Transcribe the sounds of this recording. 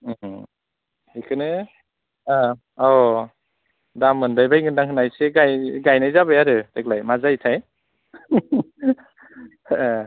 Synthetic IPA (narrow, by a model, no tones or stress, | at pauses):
hikʰɯnɯ | a | ɔ | damɯndajbajŋɯndaŋkʰɯnajseɡajɡajnajzabɯjaɾɯd̥ek̚lajmazajtʰaj